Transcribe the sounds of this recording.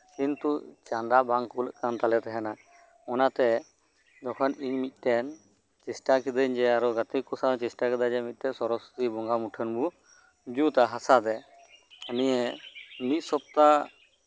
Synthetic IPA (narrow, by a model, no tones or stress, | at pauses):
kint̪ut͡ʃand̪abaŋkulə̰ʔkant̪alɛt̪ɛɦana | ɔnat̪ɛ | d̪ɔkʰaniɲmit̪̚ˀt̪ɛn | t͡ʃisʈakid̪əɲd͡ʒɛaɾɔɡat̪ikusat͡ʃisʈakɛd̪ad͡ʒɛmit̪̚t̪ɛsɔɾɔsu̥t̪ibɔŋɡamuʈʰənbu | d͡ʒut̪aɦasad̪ɛ | ənijɛmit̪̚ˀsɔp̚t̪a